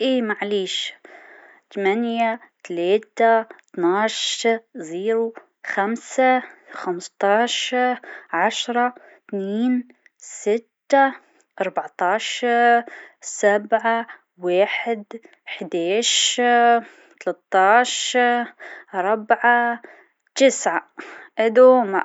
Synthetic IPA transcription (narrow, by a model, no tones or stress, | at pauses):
ʔiːmaʕliːʃ | t̪amanjat̪aleːt̪at̪naːʃziːɾu | xamsaxamst̪ˤɑːʃɾʕaʃɾˤɑ | t̪niːn | sɪt̪ːa | ʔɑɾˤbaʕt̪ɑːʃɑɾsabʕa | weːħɪd̪ | ħd̪aːʃ | t̪alat̪ːɑːʃ | ɾˤɑbʕa | t̪ɪsʕaʔɪd̪uma